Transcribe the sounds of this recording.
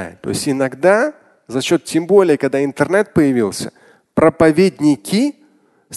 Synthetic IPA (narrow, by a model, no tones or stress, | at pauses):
ɪ̰t̪ːo̰ɪsʲtʲɪnɐɡd̪a | zɐɕːo̞t̪tʲːembo̞lʲɪjəkɐɡd̪aɪnt̪ɨrnɛt̪̚pəjɪvʲilˠsʲə̰ | pɾəpɐvʲed̪ʲnʲɪkʲɪ | s